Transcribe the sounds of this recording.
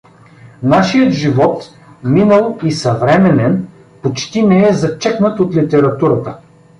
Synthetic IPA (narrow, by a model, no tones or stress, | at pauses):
naʃijət̪ʒivɔt̪ | minəlˠisɐvɾɛmɛnɛn | pot͡ʃt̪inɛɛzɐt͡ʃɛknət̪ot̪lit̪ɛɾɐt̪uɾət̪ə